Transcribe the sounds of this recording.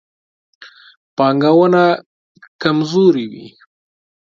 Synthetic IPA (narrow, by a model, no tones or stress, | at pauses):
pɑŋɡawəna | kamzoɾiwḭ